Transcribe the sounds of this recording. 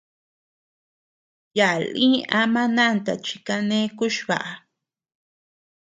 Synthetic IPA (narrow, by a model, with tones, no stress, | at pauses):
ja˨lĩ˦ʔa˦mã˦nã˦˨nt̪a˨t͡ʃi̥˧˨ka˧nẽ˦ku˦ʃβa̰˨ʔa˨